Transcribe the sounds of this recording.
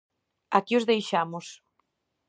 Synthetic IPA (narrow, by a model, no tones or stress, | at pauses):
akiʊzðejʃamʊs